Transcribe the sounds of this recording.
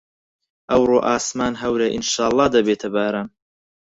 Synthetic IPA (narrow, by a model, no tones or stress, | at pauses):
ʔɐwɾoːʔaːsmaːnɦɐwɾɐʔinʃaːlˠˤːɑːd̪ɐbeːt̪ʰɐbaːɾaːn